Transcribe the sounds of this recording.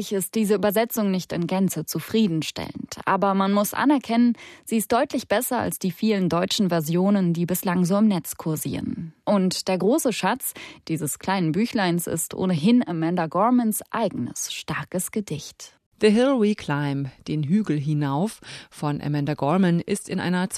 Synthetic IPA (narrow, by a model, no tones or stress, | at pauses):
ɪçɪst̚d̥iːzəʔyːbɐzɛt͡sʊŋnɪçtɪ̰nɡ̥ant͡sət͡sufʁ̥iːdn̩ʃtʰɛ̰ləntʔa̰ːbɐmanmʊsʔa̰nɛɐkʰɛnənz̥iːɪstd̥ɔʏtlɪçb̥ɛsɐa̰lsd̥iːfiːləndɔʏt͡ʃn̩vɛɐzjoːnəndiːbɪslaŋzoːɪmnɛt͡skʰʊɐzḭːʁə̰nʔʊntd̥eːɐɡʁoːsəʃat͡sd̥iːzəskl̥aɪnənbyːçlaɪnsɪ̰stʔo̰ːnəɦɪnɛmɛndɐɡɔɐmənsʔa̰ɪɡn̩ə̰sʃtaɐkəsɡ̥ədɪçt | ðəɦɪlʁikʰl̥aɪmd̥eːnɦyːɡl̩ɦinaʊfːɔnʔɛ̰mɛndɐɡɔmənʔɪ̰stɪnʔa̰ɪnɐt͡s